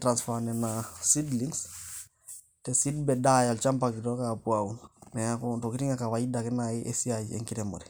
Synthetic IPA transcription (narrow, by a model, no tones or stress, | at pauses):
tɾansfanɛnasidliŋs | tɛsidbɛdajalt͡ʃampakitɔkapuaunnɛakotokitiŋakawaidakɛnajiʔesiad͡ʒḭḛŋkiɾɛmo̰ɾɛ